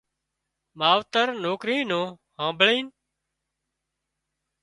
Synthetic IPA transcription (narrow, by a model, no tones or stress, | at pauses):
maːʋt̪əɾnoːkɾiːnõː | hãːmbɭiːn